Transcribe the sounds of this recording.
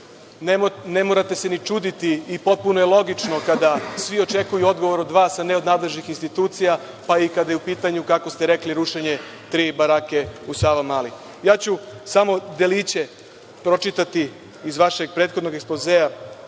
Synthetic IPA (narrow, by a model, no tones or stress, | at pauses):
ne̞moɾat̪e̞se̞nit͡ʃuːd̪it̪iːpot̪̚punojelˠo̞ɡit͡ʃno̞kad̪asʋio̞t͡ʃe̞kujuo̞d̪ɡo̞ʋo̞ɾo̞d̪ʋaːsːaneo̞d̪naːd̪le̞ʒnixinst̪it̪uːt̪sija | paikad̪ajeupiːt̪aɲukako̞st̪eɾe̞kliɾuʃeɲe̞ | t̪ɾiːbaɾake̞usaːʋamaːli | jaːt͡ɕusamo̞d̪e̞lit͡ɕe̞ | pɾo̞t͡ʃit̪at̪iː | zʋaʃe̞ɡ̚pɾet̪xo̞d̪no̞ɡeksplozeja